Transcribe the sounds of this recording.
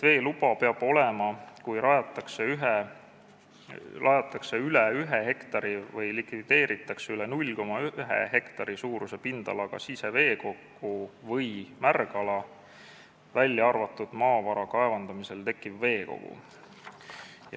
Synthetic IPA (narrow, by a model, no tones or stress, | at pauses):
ve̞ːlubɑpe̞ɑb̥o̞lemɑkujɾɑjɑt̪ːˑɑkseyɦe | lʔɑjɑt̪ːˑɑkse̞ylɛyɦeɦe̞kt̪ɑɾivɯjlikvid̪̥e̞ːɾit̪ːˑɑkseylenulʲko̞mɑyyɦḛɦe̞kt̪ɑɾisuːɾuse̞pind̪̥ɑ̰lɑɡ̥ɑ̰sise̞ve̞ːko̞kːuvɤjmærɡɑlɑ | vælʲːjɑɑrvɑt̪ːˑud̪̥mɑːvɑɾɑkɑe̞vɑnd̪̥ɑmise̞lt̪e̞kːˑivːe̞ːko̞̰ɡ̥ṵ